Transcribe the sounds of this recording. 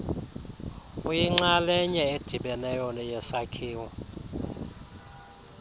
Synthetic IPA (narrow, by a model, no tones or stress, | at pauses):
ujiŋ͡ǁalɛɲɛed̥ʱiɓɛnɛjɔnɛjɛsakʰiːwɔ